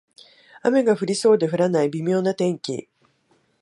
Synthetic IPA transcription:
ame̞ɡaɸɯ̟ɾʲiso̞ːd̪e̞ɸɯ̟ɾanaibʲimʲo̞ːnat̪ẽ̞ŋkʲḭ

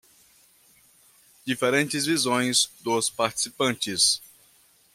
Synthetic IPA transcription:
d͡ʒifeɾẽnt͡ʃɪzvizõj̃zd̪ʊspaɾt͡ʃi̥sipɐ̃nt͡ʃɪs

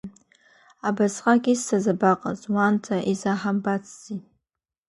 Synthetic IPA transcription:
abasχʼakʲʼissazabaqʼa̰zwantʰaʔizaħambat͡sʰzi

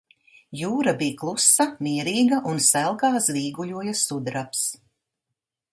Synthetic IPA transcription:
juːɾabiːklˠusamiɛɾiːɡɐʔunsælˠɡaːzviːɡujuɔjasud̪ɾaps

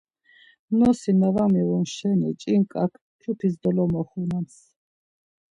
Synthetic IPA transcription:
nɔsinavamiwumʃɛnḭt͡ʃʼiŋkʼakʰ | k̪ʰupʰisd̪ɔlɔmɔχunans

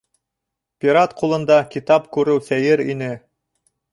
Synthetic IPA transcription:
pʲiɾɑt̪qulˠɤ̆nd̪ɑkʲit̪ɑpkʉɾɘwsæjɘɾḭnɘ

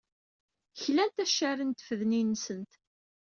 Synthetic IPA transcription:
çlænt̪æʃːæɾənt̪fəðninːsənt̪

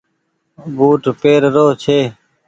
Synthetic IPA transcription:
buːʈpeːɾɾoːt͡ʃʰeː

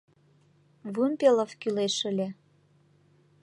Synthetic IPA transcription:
vumpeləfkyleʃəlʲe

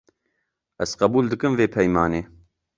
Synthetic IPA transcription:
ɛzqɐbuːld̪ɨkɨmveːpʰɛjmɑːneː

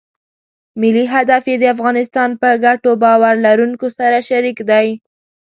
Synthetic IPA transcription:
mɪliɦad̪afjed̪əafɣɑnɪst̪ɑnpəɡaʈobɑwaɾlaɾuŋkosaɾaʃaɾikd̪aj

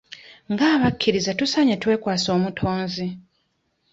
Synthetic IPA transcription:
ŋɡaːβakʰːiɾizatusaɲetwe̞ːkwaːso̞ːmutʰo̞ːnzi

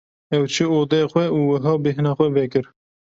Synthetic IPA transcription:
ɛwt͡ʃʰɨoːd̪exʷwɛuːwɨɦɑːbɨɦɨnɑːxʷɛvɛkɨɾ

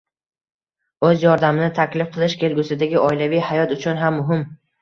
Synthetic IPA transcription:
ɵzjɒɾd̪amɪnɪt̪ʰakʲlɪfqʰɨlˠɪʃkʲʰe̞lɡʲʊsɪd̪aɡʲɪɒjlavijhajɒt̪ʊt͡ʃʰʊnɦamːʊɦɪm

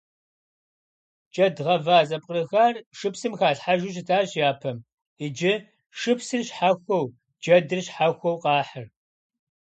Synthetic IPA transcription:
t͡ʃʼɐdʁɐvaːzɐpʼqʼrɨxaːrʂɨpsɨmxaːɬħaʒʊɕ̬ɪtʰaːɕjaːpʰɐm | ɪd͡ʒɪ | ʃɨpsɨrɕħaxʷɔw | d͡ʒɐdɨrɕħaxʷɔwqɑːħər

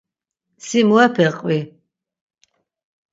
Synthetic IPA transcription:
simuɛpʰɛqʼwi

